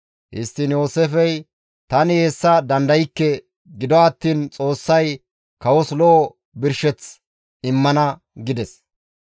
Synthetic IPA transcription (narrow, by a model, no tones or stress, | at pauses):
hɪ̰st̪ːɪnjo̞ːsefɛj | t̪ɐnɪheːsːɐd̪ɐnd̪ɐjɪkːɛ | ɡɪd̪ɔɐt̪ːiːnt͡sʼo̞ːsːɐj | kɐwɔslɔʔː | bɪɾʃɛt͡s | ɪmːɐnɐ | ɡɪd̪ɛs